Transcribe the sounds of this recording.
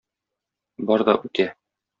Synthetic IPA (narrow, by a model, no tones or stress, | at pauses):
bɒɾd̪ɒʔʉt̪æ